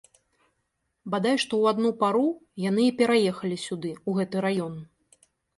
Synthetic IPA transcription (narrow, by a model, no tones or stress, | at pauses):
bad̪ajʂt̪ɔwad̪nupaɾujan̪ɨipʲɛɾajɛxɐlʲisʲud̪ɨuɣɛt̪ɨɾajɔn